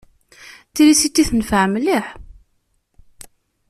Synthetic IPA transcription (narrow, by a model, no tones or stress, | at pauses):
θilisit̪ːiθənəfʕmliħ